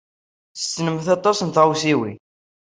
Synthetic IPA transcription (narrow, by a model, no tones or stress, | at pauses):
θə̥sːnəmθɑt̪ˤːɑsənθʁusiwi